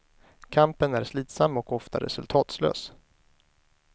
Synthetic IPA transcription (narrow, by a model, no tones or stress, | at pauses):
kʰampənæɾʂliːt̪samːɔkɔft̪aɾɛ̰sɵlt̪ʰɑːt̪slø̰ːs